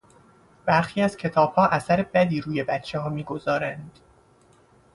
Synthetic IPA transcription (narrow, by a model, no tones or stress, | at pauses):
b̥æɾxiːæz̥cʰe̞t̪ʰɒːb̥hɒːʔæsæɾe̞bæd̪iːɾuːje̞bæt̪t͡ʃʰeɦɒːmiːɡo̞zɒːɾænd̪̥